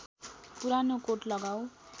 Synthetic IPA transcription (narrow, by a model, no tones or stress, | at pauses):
puɾanokoʈlʌɡaw̃